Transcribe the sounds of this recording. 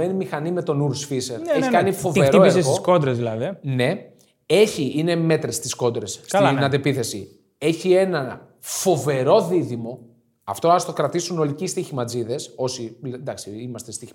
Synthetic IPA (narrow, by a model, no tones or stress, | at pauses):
e̞nimixɐnime̞t̪o̞nuɾsfise̞ɾeçikɐnifo̞veɾt̪oiesɾesɣoiskond̪ɾezðilɐðine̞ | e̞çiʔine̞me̞t̪ɾest̪isko̞nd̪ɾe̞sknɐt̪epiθe̞sḭ | e̞çie̞nɐ | fo̞ve̞ɾo̞ðiðimo̞ | ɐ̰ft̪o̞ɐst̪okɾɐt̪isuno̞licist̪içimɐd͡ziðe̞so̞sind̪ɐksiimɐst̪est̪iç